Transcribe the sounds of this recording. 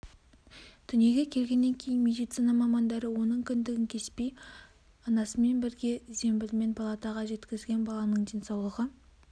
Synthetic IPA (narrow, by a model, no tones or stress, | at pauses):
d̪̥ʏnije̞ɡʲe̞kʲʰe̞lɡʲe̞nːe̞ŋkʲʰe̞jɪnmʲe̞d̪ijt̪sinɑmɑmɑnd̪ɑɾəwo̞nəɴkʲʰʏnd̪ɪɡʲɪŋkʲʰe̞spe̞j | ɑnɑsəme̞nbɪɾɡʲe̞ze̞mbɪlme̞npʰɑlˠɑt̪ɑʁɑʒe̞t̪kʲɪzɡʲe̞nbɑlˠɑnəɴd̪ensɑwlˠəʁə